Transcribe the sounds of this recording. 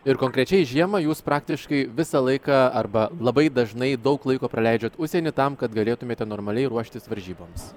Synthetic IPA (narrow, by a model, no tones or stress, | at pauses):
ɪɾkoːŋʲkɾʲɛt͡ʃʲɛɪʒʲiɛmɐjuːspɾɑːk̚t̪ʲɪʃkɐɪʋʲɪsɐlˠɐɪkɑːɐrbɐlˠɐbɐɪd̪ɐʒnɐɪd̪ɐʊklˠɐɪkoːpɾɐlʲɛɪd͡ʒʲoːt̪ʊʃʲsʲeːnʲɪt̪ɐmkɐt̪ɡɐlʲeːt̪ʊmʲeːt̪ʲɛnoːɾmɐlʲɛɪɾuɔʃʲt̪ʲɪsʋɐɾʲʒʲiːboːms